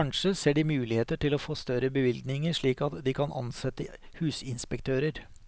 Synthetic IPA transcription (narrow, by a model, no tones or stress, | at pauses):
ɑnʂəseːɖɪmʉːlɪheːt̪əʈɪlɔfoːst̪œɾəbəʋɪlɡ̪nɪŋəʂɭiːkɑt̪d̪ɪkʰɑnʔɑ̰nsɛt̪ːə | hʉːsɪnspɛk̚t̪ʰøːɾəɾ